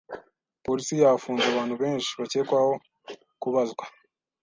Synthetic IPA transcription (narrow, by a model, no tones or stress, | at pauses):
po̞ɾisijaːfuːnzaβaːn̥huβeːnʃi̥βace̞ːkwaho̞ | kuβazɡwa